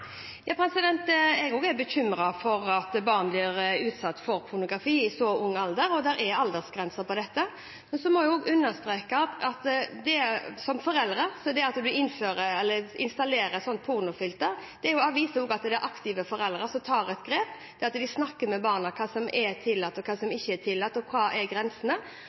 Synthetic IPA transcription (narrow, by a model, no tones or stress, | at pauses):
jɑːpʰɾɛsɪd̪ɛnt̪ɛɡoːɡɛɾbɛçʏmɾɑfɔɾɑt̪bɑːɾnblɪɾʉːt̪sɑt̪ːfɔɾpʰʊɾnʊɡʁɑfiːɪsɔʊŋːɑld̪əɾɔd̪æɾɛɑld̪əʁsɡɾɛnsəpɔd̪ɛt̪ːə | mɛnsɔmɔjʊoːɡʉnːəɾst̪ɾeːkət̪ɑt̪d̪ɛsɔmfɔɾɛld̪ɾəsɔd̪ɛɑt̪d̪ʉɪnføːɾəɛlːəɪnst̪ɑleːɾəsɔnt̪̚pʰʊɾnʊfʏlt̪əɾd̪̥ɛæɾjʊɑːʋiːsəhoːɡɑt̪d̪ɛʔɑkt̪ɪʋəfɔɾɛlɾəsɔmt̪ʰɑːɾɛt̪ɡɾeːpd̪ɛɑt̪d̪ɪsnɑkːəmɛbɑːʁnɑkʰɑːsɔmʔɛt̪ʰɪlːɑt̪ːɔkʰɑːsɔmɪçːəɛt̪ʰɪlːɑt̪ːɔkʰɑːʔɛɾɡɾɛnsənə